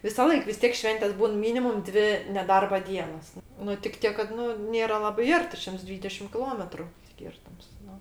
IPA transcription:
ʋʲɪsɐˈlˠɐɪk ʋʲɪs ˈtʲiɛk ˈʃʲʋʲɛnʲtʲeːsʲ ˈbuːn ˈmʲiːnʲɪmʊm ˈdʲʋʲɪ nʲɛˈdɐrbɐ ˈdʲiɛnoːs ˈnʊ tʲɪk ˈtʲiɛk kɐt ˈnʊ ˈnʲeːrɐ ˈlˠɑːbɐɪ ˈɐrʲtʲɪ ˈʃʲɪmts ˈdʲʋʲiːdʲɛʃʲɪm kʲɪˈlˠoːmʲɛtrʊ ˈsʲkʲɪrtʊms ˈnʊ

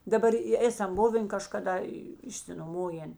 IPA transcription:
dɐˈbɐr ɪ ˈeːsɐm ˈbʊʋʲeːn kɐʃkɐˈdɐ ɪʃʲsʲɪnoːˈmoːjeːn

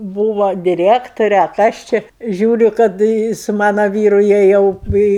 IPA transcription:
ˈbuːʋoː dʲɪˈrʲæːktoːrʲɛ ɐ ˈkɐs t͡ʃʲɪ ˈʒʲuːrʲʊ kɐt ɪ sʊ ˈmɑːnoː ˈʋʲiːrʊ jiɛ ˈjɛʊ ɪ ɪ

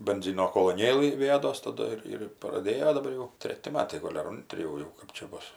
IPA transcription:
bʲɛnʲˈzʲɪnoː koːlˠoːˈnʲeːlˠɨ ʋʲɪˈjæːdoːs tɐˈdʊ ɪr ɪr prɐˈdʲeːjoː dɐˈbɐr jɛʊ ˈtʲrʲæːtʲɪ ˈmɑːtɐɪ ˈɡoːlʲ ɐr ˈoːnʲtʲrʲɪ jɛʊ ˈjɛʊ ˈkɜp t͡ʃʲɛ ˈbʊs

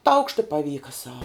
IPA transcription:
tɐʊkʃt ɪ pɐˈʋʲiːkɐ sɐʊ

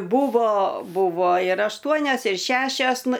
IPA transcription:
ˈbuːʋoː ˈbʊʋoː ɪr ɐʃˈtuɔnʲɛs ɪr ˈʃʲæːʃʲɛs ˈnʊ

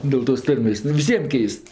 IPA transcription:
ˌdʲeːlˠ toːs ˈtɐrʲmʲeːsʲ ˈnʊ ɪr ʋʲɪˈsʲiɛm ˈkʲɛɪst

